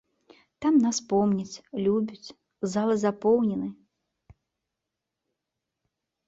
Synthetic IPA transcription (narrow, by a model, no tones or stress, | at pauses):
t̪amnaspɔmnʲɛt͡sʲlʲubʲut͡sʲ | zalˠɨzapɔwnʲɛnɨ